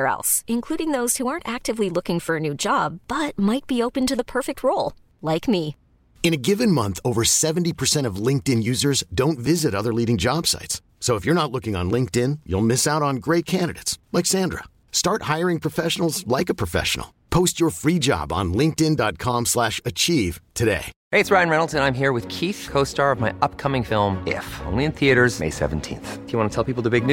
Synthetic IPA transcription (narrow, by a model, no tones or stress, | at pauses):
ɛ̰lˠsɨ̃nkʰl̥uɾɪ̃ŋðoʊz̥huɑ̃ɹntæk̚tɨvlilʊkɪ̃ŋfə˞ɨnʉd͡ʒɑbb̥ʌt̚maɪt̚b̥ioʊpɨ̃ntɨðəpʰɜ˞fɨk̚t̚ʰɹoʊlˠ | laɪkmi | ɨ̃ñɨɡɪvɨ̃nmʌ̃nθoʊvə˞sɛṽn̩tipʰə˞sɛ̃ɾ̃ʌvlɪ̃ŋk̚tɨ̃njʉzə˞zdõʊ̃ntvɪzɨɾʌðə˞liɾɪ̃ŋd͡ʒɑb̥sa̰ɪtsː | oʊəfjə˞nətˡlʊkɪ̃ŋə̰̃nlɪ̃ŋk̚tɪ̃njṵlˠmɪsaʊɾn̩ɡɹeɪt̚kʰæ̃ndɨɾḛɪtslaɪksæ̃ndɹə̰ | stɑɹt̚haɪə˞ɪ̃ŋpʰɹ̥ɨfɛʃnl̩ˠzlaɪkəpʰɹ̥ɨfɛ̰ʃə̰n̩l̩ˠ | pʰoʊst͡ʃə˞fɹid͡ʒɑ̰b̃n̩lɪ̃ŋk̚tɪ̃ndɑt̚kʰɑ̃mslæʃɨt͡ʃʰiv̥tʰɨdḛɪheɪɨtsɹaɪɨ̃nɹɛnl̩ˠtɨ̃nãɪ̃mɦiɹwɨð̥kʰiθkʰoʊstɑɹʌvmaɪʔʌp̚kʰʌmɪ̃ŋfɪlˠmɪ̰fõ̰ʊ̃nliɨ̃nθiɨɾə˞z̥mḛɪsɛ̰vn̩tʰḭ̃nθfjɨwɑ̃nətʰɛlˠpipl̩ˠðəbɪɡ̚n